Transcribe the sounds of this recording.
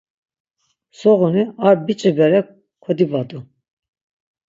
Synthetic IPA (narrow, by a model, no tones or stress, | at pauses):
sɔʁuniaɾbit͡ʃʼibɛɾɛk | kʷʰɛd̪ibad̪u